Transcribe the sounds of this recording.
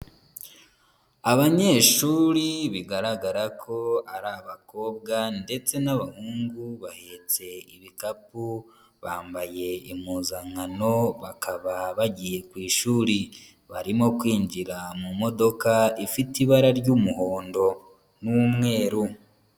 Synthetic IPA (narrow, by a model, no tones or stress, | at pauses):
aβaɲe̞ʃuːɾiβiɡaɾaɡaɾakʰo̞aɾaβako̞ːbɡande̞t͡se̞naβahuːŋɡuβahe̞ːt͡se̞iβikapu | βaːmbaje̞imuːzaŋano̞βakaβaβaɟije̞kwiːʃuːɾi | βaɾimo̞kwiːɲɟiɾamumo̞do̞kaifitiβaɾaɾɟumuho̞ːndo̞ | numŋe̞ːɾu